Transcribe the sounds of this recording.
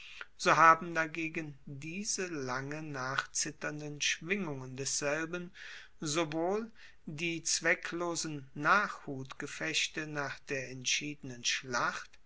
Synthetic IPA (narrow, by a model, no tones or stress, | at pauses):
z̥oːɦaːbm̩daɡeːɡəndiːzəlaŋənaːχt͡sɪtɐndənʃv̥ɪŋʊŋəndɛsz̥ɛlbən | zovoːl | diːt͡sv̥ɛkʰloːzn̩naːχhuːtɡ̥əfɛɕtənaːχd̥eːɐʔɛntʃiːdənənʃlaχt